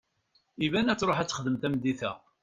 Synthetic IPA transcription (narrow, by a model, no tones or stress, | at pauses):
ivænæt͡sːɾˤoħæt͡sːə̥χəðəmt̪æmd̪iθæ̰